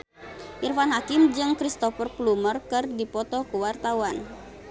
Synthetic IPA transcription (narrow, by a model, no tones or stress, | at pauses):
ʔirfanɦakimd͡ʒɨŋkɾist̪ɔfərplumərkɨrdipɔt̪ɔkuwart̪awan